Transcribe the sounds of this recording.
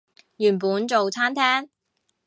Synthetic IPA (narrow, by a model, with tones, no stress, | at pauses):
jyː˨˩npuː˨˥nt͡so˨wt͡sʰaː˥nt̪ʰɛː˥ŋ